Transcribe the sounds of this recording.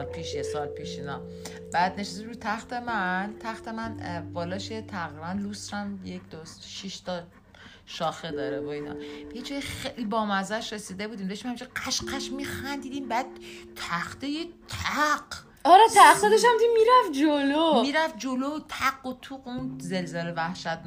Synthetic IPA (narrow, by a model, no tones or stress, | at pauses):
lpʰiːʃjesɒlpiːʃiːnɒ | b̥æːd̪neʃeseʃɾut̪ʰæxt̪emænt̪ʰæxt̪emænvɒːlɒːʃet̪ʰæɣɾiːbænlusɾæmjekʰd̪osʃiʃt̪ʰɒ | ʃɒːxed̪ɒːɾeboinɒ̰b̥eid͡ʒɒːjixejlibɒːmæzæʃɾesiːd̪ebud̪iːmd̪ɒʃimhæmit͡ʃʰiqæʃqæʃmixænd̪iːd̪imbæːd̪̥̚t̪ʰæxt̪ejet̪ʰæɢ | ɒɾɛt̪ʰæχsɔd̪eʃæmd̪iimiɾæfd͡ʒolomiɾæfd͡ʒolot̪ʰæɡot̪ʰuːqunze̞lzelevæhʃæt̪̚n